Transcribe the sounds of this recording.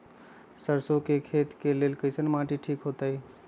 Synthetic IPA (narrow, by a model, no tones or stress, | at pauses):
səɾsokekʰet̪kelelkəɪsənmaʈiʈʰikɦot̪əj